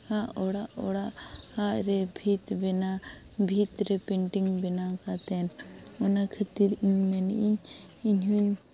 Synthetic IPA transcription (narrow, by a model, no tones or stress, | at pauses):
hãʔɔɽaʔɔɽaʔhaʔɾɛbʱit̪bɛna | bʱit̪ɾɛpɛɳʈiŋbɛnakat̪ɛn | ɔnakʰat̪iɾɲmɛniɲ | iɲɦuɲ